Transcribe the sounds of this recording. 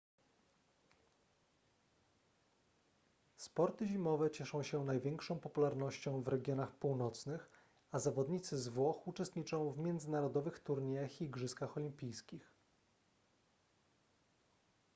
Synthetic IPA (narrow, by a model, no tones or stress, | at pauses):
spɔɾt̪ɘʑimɔvɛt͡ɕɛʂɔ̃w̃ɕɛnajvʲjɛŋkʂɔ̃w̃pɔpulaɾnɔɕt͡ɕɔ̃w̃vɾɛɡʲjɔnaxpuwnɔt̪snɘx | azavɔd̪ɲit̪sɘzvwɔxut͡ʂɛst̪ɲit͡ʂɔ̃w̃vmʲjɛnd̪zɘnaɾɔd̪ɔvɘxt̪uɾɲejaxiɡʐɘskaxɔlʲimpʲijskʲix